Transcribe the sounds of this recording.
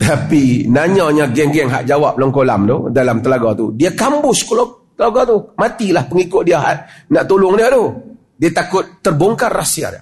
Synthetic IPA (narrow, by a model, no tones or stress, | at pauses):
t̪apinaɲaɲaɡɛŋɡɛŋɦa̰ʔd͡ʒawap̚lɔŋkolamt̪ṵdalamt̪əlaɡɔt̪ṵdiakambʊskolɔ | t̪əlaɡɔt̪umat̪ilahpəŋikʊʔ̚diaɦa̰ʔnaʔt̪ulʊŋdiat̪u | diat̪akʊt̪ːərboŋkanrasia̰r̰